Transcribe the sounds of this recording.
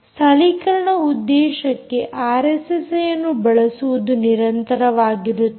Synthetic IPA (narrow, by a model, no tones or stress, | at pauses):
sɐlikɐɾɐɳɐud̪ːɛːʃɐkːe̞ʔaːɾesesejɐnːubɐɭɐsuʋud̪uniɾɐnt̪ɐɾɐʋaːɡiɾut̪ː